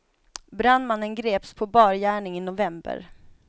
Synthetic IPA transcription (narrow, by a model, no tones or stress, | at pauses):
bɾanmanːənɡɾeːpspʰɔbɑːɾjæːɳɪŋɪnʊvɛmbə̰ɾ